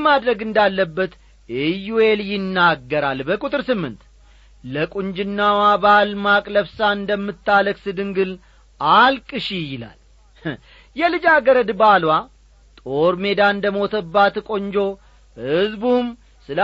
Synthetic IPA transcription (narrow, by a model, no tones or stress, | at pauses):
mad̪ɾəɡɨnd̪alːəbːət̪ | ɛjuwe̞ljɪnːaɡːəɾalbəkʼut̪ʼɨɾsɨmːɨ̰nt̪ | ləkʼund͡ʒɪnːawabalmakʼləβsaɨnd̪əmːɨt̪ːaləksɨd̪ɨŋɡɨl | alkʼɨʃijɪla̰l | jɛlɨd͡ʒaɡəɾəd̪balwa | t̪ʼo̞ɾme̞d̪aɨnd̪əmo̞t̪ʰəbːat̪kʼo̞ɲd͡ʒo̞ | hɨzbum | sɨl